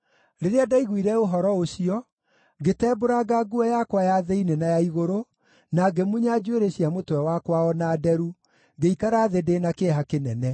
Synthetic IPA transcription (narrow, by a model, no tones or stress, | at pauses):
ɾeɾeadaiɣwiɾɛoɦɔɾɔoɕiɔ | ɡetɛːboɾaɡaɡuɛjakwajaðeinenajaiɣoɾo | naɡemuɲad͡ʑweɾeɕiamotwɛwakwaɔnaːdɛɾu | ŋɡeikaɾaːðedeːnakeɦakenɛnɛ